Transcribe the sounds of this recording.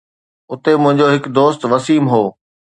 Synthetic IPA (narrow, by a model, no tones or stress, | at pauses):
ʊt̪emʊ̃ɦɪ̃ɲd͡ʑoɦɪkd̪oːst̪ʋɐsiːmɦoː